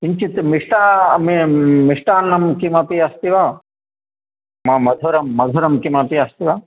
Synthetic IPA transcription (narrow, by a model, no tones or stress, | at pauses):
iɲt͡ʃit̪miʂʈaːmmiʂʈaːnːɐmkimɐpiɐst̪iʋaː | mɐmɐd̪ʱuɾɐmːɐd̪ʱuɾɐmkimɐpiɐst̪iʋa